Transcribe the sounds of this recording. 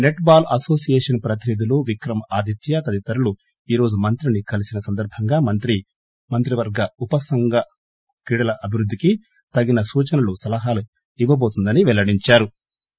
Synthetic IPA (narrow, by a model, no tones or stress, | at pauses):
neʈbaːlɐso̞ːsijeːʂɐnpɾɐt̪̬inid̪ʱiloːʋikɾɐmɐaːd̪ʱit̪jɐt̪ɐd̪it̪ɐɾulu | iːɾo̞ːd͡ʒumɐnt̪ɾinikɐlisinɐsɐnd̪ɐɾbʱɐŋɡaːmɐt̪ɾi | mɐnt̪ɾiʋɐɾɡɐupɐsɐŋɡɐ | kɾiːɽɐlɐʔɐbʱiɾud̪ːiki | t̪ɐɡinɐsuːt͡ʃɐnɐlusɐlɐɦaːlu | iʋːɐbo̞ːt̪und̪ɐniʋɛlːɐɽiɲt͡ʃaːɾu